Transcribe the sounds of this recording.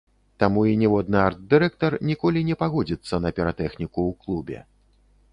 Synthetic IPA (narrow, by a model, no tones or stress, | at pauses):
t̪amuinʲɛvɔd̪nɨart̪̚d̪ɨɾɛkt̪ɐrnʲikɔlʲinʲɛpaɣɔd͡zʲit̪sːɐnɐpʲɛɾat̪ɛxnʲikuwklˠubʲɛ̰